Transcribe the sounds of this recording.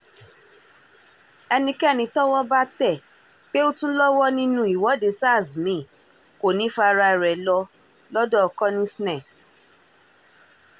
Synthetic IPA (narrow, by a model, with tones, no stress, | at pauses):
ɛ˧nĩ˧kɛ˦˨nĩ˧˦tɔ˦wɔ˦ba˦tɛ˦˨ | k͡pe˦o˦tũ˦lɔ˦wɔ˦nĩ˦nũ˦i˨wɔ˨˦de˧˦sa˦˨zmĩ˨˦˨ | ko˨nĩ˨˦fa˧ɾa˧˨ɾɛ˨lɔ˧ | lɔ˦dɔ˦ɔ˧kɔ˦nĩ˦si˦nɛ˦˨